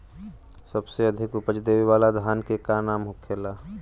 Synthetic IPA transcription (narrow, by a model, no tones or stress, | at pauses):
səbseɐd̪ʱɪkʊpət͡ʃd̪eːʋiwaːlad̪ʱaːnkekanaːmɦʊkʰelaː